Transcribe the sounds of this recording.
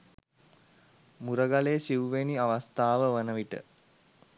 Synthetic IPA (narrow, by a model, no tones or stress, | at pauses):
muɾəɡaleːsiʋuʋeniaʋast̪aːʋəʋənəʋiʈə̰